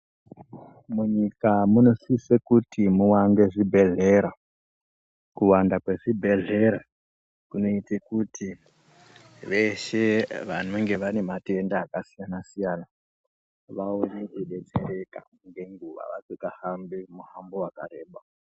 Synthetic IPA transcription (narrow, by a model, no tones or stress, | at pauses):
muɲikamuno̞sisekutimuwanɡe̞ʐibʱe̞ɮe̞ɾa | kuwandakwe̞ʐibʱe̞ɮe̞ɾa | kuno̞itekutʰi | ʋe̞ʃeʋanoŋɡe̞ʋane̞matiendaːkasijanasijana | ʋaoneɗeɗe̞t͡sereka̰ | ŋɡe̞ŋɡuʋa̰ʋa̰t͡sikahambemuhambowakaɾe̞ːɓa